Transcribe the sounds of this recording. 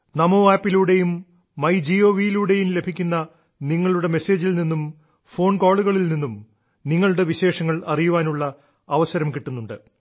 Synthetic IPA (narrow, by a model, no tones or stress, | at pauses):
nɐmoːaːpːiluɽe̞jumː | ɐjd͡ʑio̞ːʋijiluɽe̞jumle̞bʱikʲːunːɐ | niŋːɐɭuɽe̞me̞se̞ːd͡ʑilninːum | fo̞ːɳkoːɭuɣɐɭilninːum | niŋːɐɭuɽe̞ʋiɕe̞ːʂɐŋːɐɭɐrijuʋaːnuɭːɐ | ɐʋɐsɐɾɐmkiʈːunːuɳɖɨ